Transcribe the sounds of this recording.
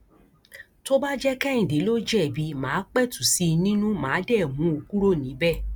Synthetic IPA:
to˦ba˦d͡ʒɛ˦kɛ̃˦ĩ˨de˨˦lo˦d͡ʒɛ˦˨bi˨˦mãː˨˦k͡pɛ˦˨tu˨si˦nĩ˦nũ˦mãː˨˦dɛ˦˨mũ˨˦o˧ku˦ɾo˦˨nĩ˨˦bɛ˦˨

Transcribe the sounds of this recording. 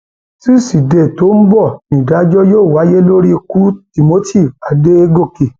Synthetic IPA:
ti˦˨si˨de˨to˨˦m̩˦bɔ˦˨nĩ˨da˨˦d͡ʒɔ˦joː˦˨wa˨˦je˦lo˦ɾi˦˧ku˦ti˨mo˦tʰi˦˨a˨de˦e˦ɡo˦˨ke˨

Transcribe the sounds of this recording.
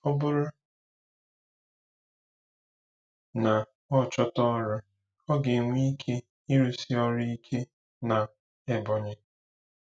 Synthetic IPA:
ɔ˦bʊ˦ɾʊ˦ | na˨ | ɔ˦˨t͡ʃɔ˦tɔ˦ɾʊ˦ | ɔ˦ɡe˨ŋʷi˦kʰe˦ | i˦ɾu˦si˦ɔ˦ɾi˦i˦kʰe˦ | na˨ | e˦bɔ˨ɲɪ˦

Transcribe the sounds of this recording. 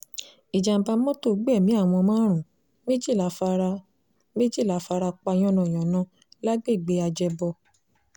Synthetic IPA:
i˨d͡ʒa˨m̩˨ba˧˦mɔ̃˦to˦˨ɡ͡bɛ˦˨mĩ˨˦a˦˨w̃ɔ̃˧mãː˦ɾ̃ũ˨ | me˦d͡ʒi˦˨la˨˦fa˧ɾa˧ | me˦d͡ʒi˦˨la˨˦fa˧ɾa˧k͡pa˧j̃ɔ̃˦nã˨j̃ɔ̃˨nã˨˦ | la˦ɡ͡be˦˨ɡ͡be˨˦a˧d͡ʒɛ˧bɔ˧

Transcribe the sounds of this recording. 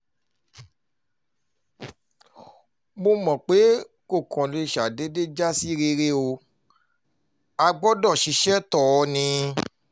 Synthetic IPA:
mo˧mɔ̃˨k͡pe˨˦ | ko˦˨kʰɔ̃˨lo˧i˧˨ʃa˨de˨˦de˦d͡ʒa˦si˦ɾe˧ɾe˦o˧ | a˧ɡ͡bɔ˦dɔ˦˨ʃi˧ʃɛ˦tɔ˦˨ɔ˧nĩ˧

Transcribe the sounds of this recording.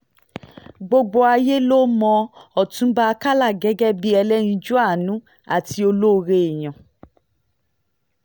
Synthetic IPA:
ɡ͡bo˧ɡ͡bo˧a˧je˦lo˦mɔ̃˧ɔ˨tũ˨˦ba˦˧ka˦la˦˨ɡɛ˨˦ɡɛ˦bi˦ɛ˧lɛ˦nĩ˧d͡ʒu˦a˦˨nũ˨˦ | a̰˦˨ti˧o˧lo˦˧ɾe˧i˨j̃ã˨

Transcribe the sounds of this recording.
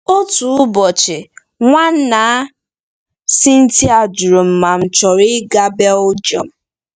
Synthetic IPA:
o˦tu˨˦bɔ˨t͡ʃɪ˨ | ŋʷa˦n̩˦na˨˦ | si˦n̩˦ti˦a˨d͡ʒu˨ɾo˨m̩˨ma˨m̩˨t͡ʃɔ˨ɾɪ˦ɡa˦be˦ʊ˦d͡ʒɔ̰˨m̩˨˦

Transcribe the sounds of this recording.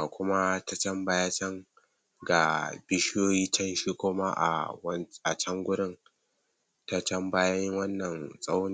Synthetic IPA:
a˨kʷʊ˦ma˦ta˦t͡ʃɐ˦mbaː˦ja˦t͡ʃɐ˦ŋ | ɡa˨bɪ˦ʃjoː˦jiː˦t͡ʃɐ˦nʃi˦kʷʊː˦ma˦ʔa̰˨wʔa˨t͡ʃɐ˦ŋɡʷʊ˦dɪ˦ŋ | ta˦t͡ʃɐ˦mbaː˦jɐ˦jɪ˦ŋwɐ˦nːɐ˨nsʼɐ˦wni˨

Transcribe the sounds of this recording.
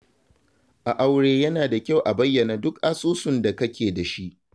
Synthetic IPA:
ʔa˨ʔa˨wɽeː˨jɐ˦naː˨da˨kʲa˦˨wʔa˨bɐ˦jːɐ˨na˨dʊ˦kʔa˦sʼuː˦sʊ˨nda˨kɐ˦kʲeː˨da˨ʃi˦ʔ

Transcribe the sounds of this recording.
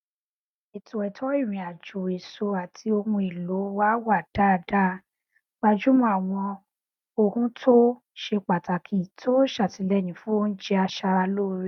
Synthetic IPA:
i˨to˨ɛ˨tʰɔ˨˦i˦˨ɾ̃ĩ˨a˨d͡ʒu˨e˨so˧a˨tʰi˧o˧mũ˧i˨lo˨˦wa˦wa˦˨d̥a˦˨da˦ | ɡ͡ba˧d͡ʒu˦mɔ̃˧˦a˨w̃ɔ̃˧ | o˧kũ˦tʰo˦ | ʃe˧k͡pa˨ta˨kʰi˨˦tʰo˦ʃa˦˨ti˨˧˦lɛ˦˨nĩ˨˦fũ˦o˦n̩˦d͡ʒɛ˧a˧ʃa˧ɾa˧loː˦ɾi˦˨

